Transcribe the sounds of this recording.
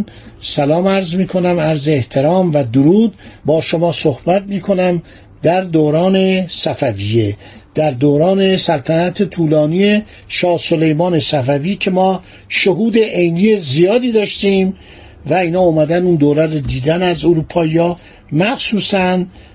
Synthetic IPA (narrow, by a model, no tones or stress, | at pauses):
sælɒːmæɾzmiːkʰo̞næmæɾzeeht̪ʰe̞ɾɒːmvæd̪oɾuːd̪̚bɒːʃo̞mɒːsohbæt̪̚miːkʰo̞næm | d̪æɾd̪oːɾɒːne̞sæfævijed̪̥æɾd̪oːɾɒːne̞sælt̪ʰænæt̪ʰet̪ʰuːlɒːnije | ʃɒːso̞le̞jmɒːne̞sæfæviːcʰe̞mɒː | ʃoɦuːd̪e̞ʔejniːjezijɒːd̪iːd̪ɒːʃt̪iːm | væiːnhɒːumæd̪ænuːnd̪oːɾærod̪iːd̪ænæzoɾuːpʰɒːijɒː | mæxsuːsæn